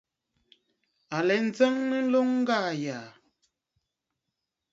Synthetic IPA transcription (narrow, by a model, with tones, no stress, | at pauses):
a˨lɛ˨˦n̩˦d͡zɛ˦ŋnə˦lo˦ŋŋ̩˦ɡaː˦˨jaː˨